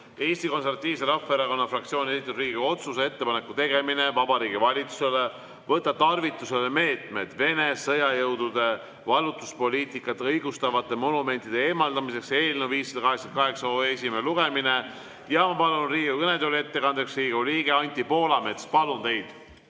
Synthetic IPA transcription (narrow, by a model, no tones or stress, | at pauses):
e̞ːst̪iko̞nseɾvɑt̪ʲːˑiːvseɾɑfeɾɑko̞nːɑfrɑk̚t̪sio̞ːnieit̪ːˑud̪riːɡio̞t̪susee̞t̪ːepɑne̞kːˑut̪e̞ɡe̞mine̞vɑbɑɾiːɡivɑlʲit̪su̥se̞le | vɤt̪ːˑɑt̪ɑrvit̪ˑːuse̞leme̞ːt̪ˑme̞d̪̥ve̞ne̞sɤjɑjɤwd̪ud̪e̞ | vɑlut̪ːˑu̥spo̞lʲiːt̪ˑikːˑɑt̪ːɤjɡust̪ɑvɑt̪ːˑe̞mo̞nume̞nʲt̪ˑid̪e̞e̞mɑld̪ɑmise̞kse̞ːlʲnuwviːsːed̪̥ɑkɑɦeksɑkɑɦe̞ksɑoːesimeluɡ̥e̞mine | jɑmɑpɑlunriːɡukɤned̪ule̞t̪ːe̞kɑnd̪̥eksriːɡuliːɡeɑnʲt̪ipo̞ːlɑme̞t̪spɑlunt̪e̞jd̪̥